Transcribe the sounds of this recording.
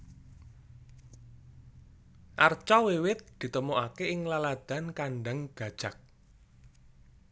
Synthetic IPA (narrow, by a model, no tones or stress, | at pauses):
ʔart͡ʃɔwewɪt̪̚d̪̥i̤t̪əmoʔakeɪŋlalad̪̥a̤nkaɳɖaŋɡ̥a̤d̥ʒ̥a̤k̚